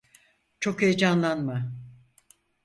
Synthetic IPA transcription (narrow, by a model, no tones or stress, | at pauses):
t͡ʃʰo̞ked͡ʒanlˠanma